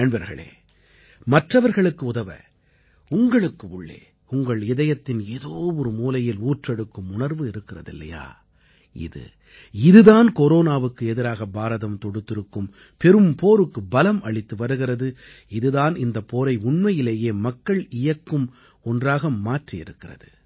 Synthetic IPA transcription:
ɛɳbɐɾɣɐ̰ɭḛː | mɐʈrɐʋɐɾɣɐɭɯkːɯʊðɐʋɐ̰ | ʊŋɡɐɭɯkːɯʊɭːḛː | ʊŋɡɐɭɪðɐjɐt̪ːɪneːðoːʋɔɾɯmuːlɐjɪluːʈrɛɽɯkːɯmʊnɐɾʋɯɪɾɯkːɪrɐ̰ðɪ̰lːɐ̰ja̰ː | ɪ̰ðɯ̰ | ɪðɯðaːnkɔɾoːnaːʋɯkːɯɛðɪɾaːɣɐbaːɾɐðɐmt̪ɔɽɯt̪ːɪɾɯkːɯm | pɛɾɯmpoːɾɯkːɯbɐlɐmɐɭɪt̪ːɯʋɐɾɯɣɪrɐðɯ | ɪðɯðaːnɪnd̪ɐpːoːɾɐɪʊɳmɐjɪleːjeːmɐkːɐɭɪjɐkːɯm | ɔndraːɣɐmaːʈriɪ̰ɾɯkːɪrɐ̰ðɯ

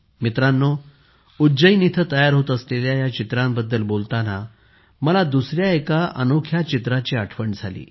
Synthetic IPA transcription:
mit̪ɾanːɔ | ud͡ʑəinit̪ʰət̪əjaɾɦot̪əsleljajat͡ɕit̪ɾãmbəd̪ːəlbolt̪ana | məlad̪usɾjaekaʔənokʰjat͡ɕit̪ɾat͡ɕiːəʈʰʋəɳd͡zʱalḭː

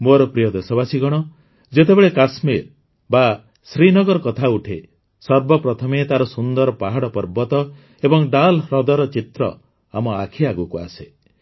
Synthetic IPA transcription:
moɾɔpɾijɔd̪esɔbasiɡɔɽ̃ɔ | d͡ʒet̪ebeɭekasmiɾ | ba | sɾinɔɡɔɾɔkɔt̪ʰauʈʰḛ | sɔɾbɔpɾɔt̪ʰɔmet̪aɾɔsund̪ɔɾɔpaɦaɽɔpɔɾbɔt̪ɔ | ebɔŋɖalɾɔd̪ɔɾɔt͡ʃit̪ɾɔ̰ | amɔa̰kʰiaɡukua̰se

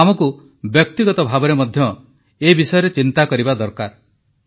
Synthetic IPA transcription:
amɔku | bjɔk̚t̪iɡɔt̪ɔbʱabɔɾemɔd̪ʱjɔ | ebisɔjɔɾet͡ʃint̪akɔɾibad̪ɔɾkaɾ

